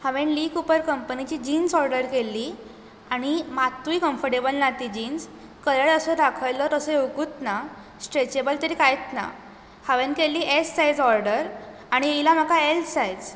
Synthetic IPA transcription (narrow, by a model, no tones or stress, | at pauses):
haʋẽnliːkupəɾkəmpənit͡ɕiːd͡ʑiːnsɔɾɖəɾkelːiː | aɽ̃imat̪ːuikəmfəɾʈebəlnat̪id͡ʑins | kəɾəɽəsəɾakʰəjlət̪əsəewkut̪na | sʈɾet͡ɕebəlt̪əɾiːkajt̪na̰ | haʋenkelːiːʔesːajd͡zɔɾɖəɾ | aɽ̃ieilam̤akaelsajd͡z